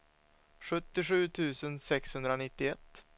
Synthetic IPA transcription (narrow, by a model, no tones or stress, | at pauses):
ɧɵt̪ːɪɧʉ̟ːt̪ʰʉ̟ːsənsɛkshɵnd̪ɾanɪt̪ːɪɛt̪ː